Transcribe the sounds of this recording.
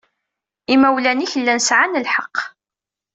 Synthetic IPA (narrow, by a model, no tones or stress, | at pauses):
imæwlæniçəlːænsʕanəlħɑqː